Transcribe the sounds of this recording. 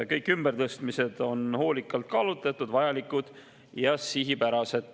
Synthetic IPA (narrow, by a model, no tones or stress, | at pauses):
kɤjkːˑymb̥ert̪ɤst̪mise̞d̪̥o̞nho̞ːlikːˑɑlt̪kɑlut̪ˑːɑt̪ːˑud̪vɑjɑlikːˑud̪̥ | jɑsiɦipæɾɑse̞d̪̥